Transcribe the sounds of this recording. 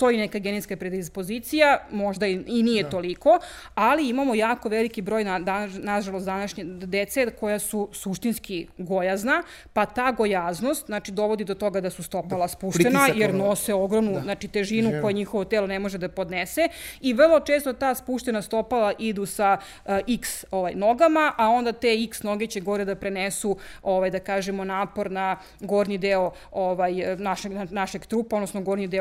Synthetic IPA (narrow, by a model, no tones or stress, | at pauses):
t̪ojenekaɡeneskapɾed̪ispo̞zit̪sijamo̞ʒd̪ainijet̪o̞liko̞ | aliimamo̞jaːko̞ʋelikibɾo̞ːjnad̪anaʒalosd̪anaʃɲed̪et̪seko̞jasusuʃt̪inskiɡo̞jazna | pat̪aːɡo̞jazno̞st̪nat͡ʃid̪o̞ʋo̞d̪id̪ot̪o̞ɡad̪asust̪o̞palˠaspuːʃt̪enajeɾnoseoɡɾomnunat͡ʃit̪e̞ʒinuko̞jeɲixoʋo̞t̪eːlo̞nemo̞ʒed̪apo̞d̪neseiʋr̩lˠo̞t͡ʃeːst̪ot̪aːspuːʃt̪e̞nast̪o̞palaʔid̪usa | ʔiksoʋajno̞ɡamaʔao̞nd̪at̪eiksno̞ɡet͡ɕeɡo̞ɾed̪apɾenesuoʋajd̪akaːʒemo̞naːpo̞ɾna | ɡo̞ɾnid̪eo | oʋajnaʃeɡnanaʃeɡt̪ɾuːpaonosnoɡo̞ɾnid̪e